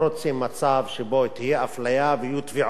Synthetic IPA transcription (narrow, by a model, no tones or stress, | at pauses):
ɾot͡simːat͡savʃebot̪ihjeʔaflajaveijut̪viʕ